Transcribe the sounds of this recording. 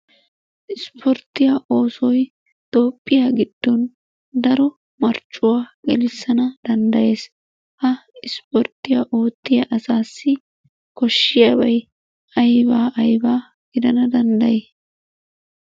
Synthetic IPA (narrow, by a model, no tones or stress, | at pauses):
ʔɪspʰɔɾt̪ːɪjaʔo̞ːsɔj | t̪o̞ːpʼːɪjaːɡɪd̪̥ːɔn | d̪ɐɾɔ | mɐɾt͡ʃʼːʊwaːɡɛlɪsːɐnɐd̪̥ɐnd̪ɐje̞ːs | hɐɪspɔɾt̪ːɪjaʔo̞ːt̪ːɪjɐʔɐsaːsːɪ | kɔʃːɪjɐbɐj | ɐjbaːʔɐjbaː | ɡ̥ɪd̪ɐnɐd̪ɐnd̪ɐjeː